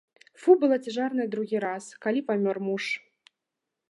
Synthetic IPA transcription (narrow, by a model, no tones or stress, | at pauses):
fubɨlˠat͡sʲɛʐarnɐjɛd̪ɾuɣʲiɾaskalʲipamʲɔrmuʂ